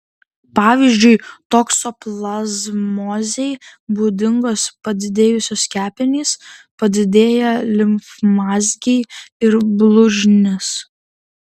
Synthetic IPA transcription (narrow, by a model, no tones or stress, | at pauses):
pɑːʋʲiːzʲd͡ʒʲʊɪt̪oːksoplˠɐzmɔːzʲɛɪbuːd̪ʲɪŋɡoːspɐd̪ʲɪd̪ʲeːjʊsʲoːskʲæːpʲɪnʲiːspɐd̪ʲɪd̪ʲeːjɛlʲɪmfmɑːzʲɡʲɛɪɪɾblˠʊʒʲnʲɪs